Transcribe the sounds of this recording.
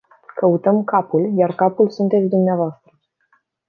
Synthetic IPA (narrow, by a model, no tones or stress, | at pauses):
kəut̪əmkapuljarkapulsunt̪et̪sʲd̪umneavoast̪ɾə